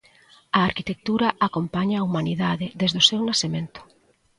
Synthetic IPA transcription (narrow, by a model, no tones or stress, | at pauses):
aːɾkit̪ek̚t̪uɾɐʔakompaɲaːumaniðaðɪðezðosewnasemẽnt̪ʊ̥